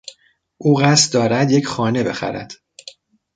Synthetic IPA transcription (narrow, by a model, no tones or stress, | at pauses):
ʔuːɣæst̪̚d̪ɒːɾæd̪je̞cʰχɒːne̞be̞xæ̰ɾæ̰d̪̥